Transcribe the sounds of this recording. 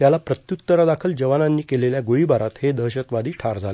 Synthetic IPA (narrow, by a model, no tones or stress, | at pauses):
t̪jalapɾət̪jut̪ːəɾad̪akʰəld͡ʑəʋananːiːkeleljaɡoɭibaɾat̪hed̪əɦɕət̪ʋad̪iːʈʰaɾd͡zʱale